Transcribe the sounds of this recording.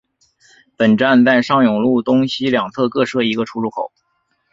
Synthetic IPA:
pə˨˩nʈ͡ʂa˥˧nt͡sa˥˧ɪʂɑ˥˩ŋjʊ˨˩ŋlu˥˩t̪ʊ˥ŋɕi˥ljɑ˨˩ŋt͡sʰɤ˥˧kɤ˥˧ʂɤ˥˩i˧˥ɡə˧ʈ͡ʂʰu˥ɻu˥˩kʰo˨˩˦ʊ

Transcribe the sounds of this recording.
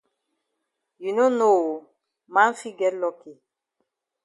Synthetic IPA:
ju˨no˦no˦˨ | ma˦n˦fi˦ɡɛ˦tlɔ˦ki˨

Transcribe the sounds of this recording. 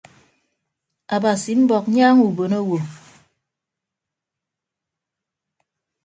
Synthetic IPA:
a˨ba˨si˨m̩˦bɔ˨k̚ɲaː˦ŋu˨bo˨no˦wo˨

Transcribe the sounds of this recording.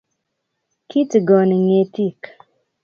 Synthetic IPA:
kʰi˦tɡɔ˨ni˨ŋe˨ti˦˨k

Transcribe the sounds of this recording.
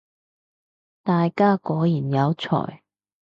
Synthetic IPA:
t̪aː˨jkaː˥kɔː˨˥jiː˨˩njɐ˨˧wt͡sʰɔ̰ː˨˩j

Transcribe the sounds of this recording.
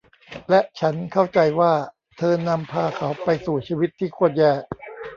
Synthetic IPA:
lɛ˦˥ʔt͡ɕʰa˦˥nkʰa˥˩wt͡ɕa˧jwaː˥˩ | t̪ʰɤː˧na˧mpʰaː˧kʰa˩˦˥wpa˧jsuː˨˩t͡ɕʰiː˧wi˦˥t̪ʰːiː˥˩kʰu˥˩ət̪̚jɛː˥˩

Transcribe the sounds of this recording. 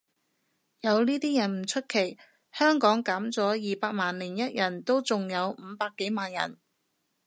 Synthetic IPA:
jɐ˨˧wniː˥t̪iː˥jɐ˨˩nm̩˨˩t͡ʃʰɵ˥t̚kʰe˨˩j | hœː˥ŋkɔː˨˥ŋkaː˨˥mt͡sɔː˨˥jiː˨paː˧k̚maː˨nliː˨˩njɐ˥t̚jɐ˨˩nt̪o˥wt͡sʊ˨ŋjɐ˨˧wm̩ː˨˧paː˧kːe˨˥jmaː˨njɐ̰˨˩n

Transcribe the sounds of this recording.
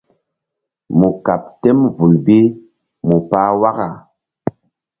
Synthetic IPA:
mu˨ka˨p̚tɛ˦mvu˨lbi˦ | mu˨paː˦wa˦ka˨

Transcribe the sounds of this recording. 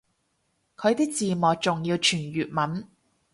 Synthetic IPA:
kʰɵ˨˧ɥt̪iː˥k̚t͡siː˨mɔː˨˩k̚t͡sʊ˨ŋjiː˧wt͡ʃʰyː˨˩njyː˨t̚mɐ˨˥n

